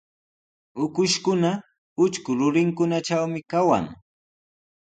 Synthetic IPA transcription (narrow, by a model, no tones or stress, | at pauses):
ʊkʊʃkʊna | ʊt͡ʃkʊɾʊɾɪŋkʊnat͡ʃawmɪkawa̰ŋ